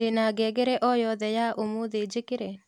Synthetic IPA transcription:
enaɡɛɡeɾɛʔɔjɔðɛjaʔomoðed͡ʒɪkɪɾe

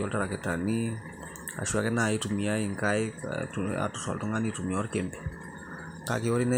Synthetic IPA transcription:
ɔltaɾaketani | a̰ʃuakɛnaitumiaiŋkaj | a̰tusa̰ltuŋanitumiɔɾkɛmbɛ̥ | ka̰keɔɾinɛ

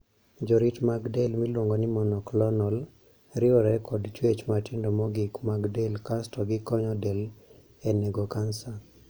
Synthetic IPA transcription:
d͡ʒɔɾitmaɡdɛlmilwoŋɡɔnɪmɔnɔklɔnɔl | ɾɪɔɾɛkɔdt͡ʃwet͡ʃmatindɔmɔɡɪkmaɡdɛlkastɔɡɪkɔɲɔdɛl | ɛneɡokansa

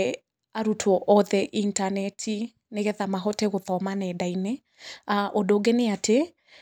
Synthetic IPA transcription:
aɾutʰwɔʔɔðɛʔintanɛtʰi | neɣɛðamaɦɔteɣoθɔmanɛdaine | aʔodoːɡeneate

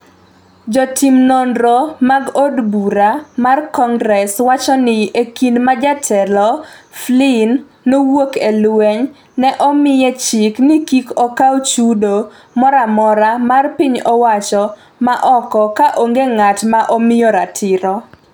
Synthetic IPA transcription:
d͡ʒɔtimnondɾomaɡodbuɾamarkɔŋɡɾɛswat͡ʃɔnɪekinmad͡ʒatʰɛlɔflɪnː | owokelwɛɲ | nɛʔɔmɪjɛt͡ʃɪknɪkikɔkawt͡ʃudo | mɔɾamɔɾamarpiɲɔwat͡ʃɔ | maʔɔkɔkaʔoŋɡeŋatmaʔomɪjɔɾatʰɪɾɔ

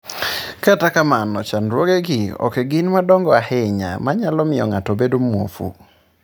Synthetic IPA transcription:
katakamanɔt͡ʃanɾwoɡɛɡɪɔ̰keɡɪnmadɔŋɡɔahɛɲa̰maɲalɔmɪɔ̰ŋatɔbedomwo̰fṵ

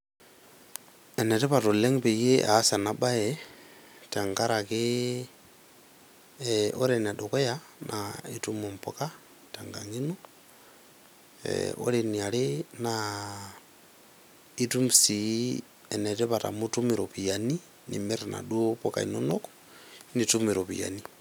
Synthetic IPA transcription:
ɛnɛtɛpatolɛŋpejeʔasanaɓaɛ | taŋɡaɾake | oɾɛnaɗokoja | nʔaitumompoka | taŋɡa̰ŋinu | o̰lenialena | itumsi | ɛnɛtɛβata̰mutumiɾopijani | nḭmeɾena̰ɗuopoka̰ḭnonoko̥ | nitumiɾoβḭja̰ni

